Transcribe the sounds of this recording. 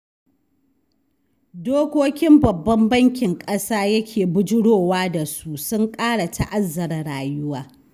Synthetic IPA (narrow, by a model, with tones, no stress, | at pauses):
doː˦kʷoː˦kʲɪ˦mbɐ˨bːɐ˦mbɐ˦ŋkʲɪ˨ŋkʼɐ˦saː˦jɐ˦kʲʰeː˨bʊ˦d͡ʒɪ˦ɽoː˦˨waː˦da˨su˦ʔsʊ˦ŋkʼaː˦ɽa˨tʰa̰˦ʔa˦zːɐ˨ɾɐ˨ɽaː˨jʊ˦waː˦